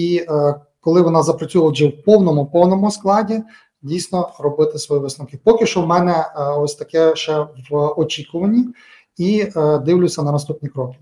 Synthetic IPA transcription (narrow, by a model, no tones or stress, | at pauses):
i | kɔlˠɪʋɔnɑzɐpɾɐt͡sʲulˠɐd͡ʒɛwpɔwnɔmʊpɔwnɔmʊsklˠɑdʲi | dʲijsʲnɔrɔbɪt̪ɪsʋɔjiʋɪsnɔkɪpɔkʲɪʃt͡ʃɔmɛnɛɔsʲt̪ɐkɛʃɛʋɔt͡ʃʲikʊʋɐnʲi | id̪ɪwlʲʊsʲɐnɐnɐst̪upnʲikɾɔkɪ̥